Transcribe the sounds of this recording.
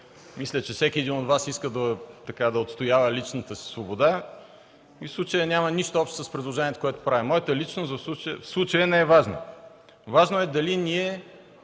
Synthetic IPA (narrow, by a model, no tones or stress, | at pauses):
mislʲət͡ʃɛfsɛkʲiɛd̪inod̪vasiskəd̪ɐt̪ɐkad̪ɐot̪st̪ojavəlit͡ʃnət̪əsi̥svobod̪a | ifslˠut͡ʃəjənʲaməniʃt̪oɔpʃt̪səspɾid̪lˠoʒɛnʲiɛt̪ə̥koɛt̪o̥pɾavʲimɔjət̪əlit͡ʃnosɐfsˠut͡ʃjfslˠut͡ʃəjənɛɛvaʒno̰ | vaʒnoɛd̪ɐlinʲiɛ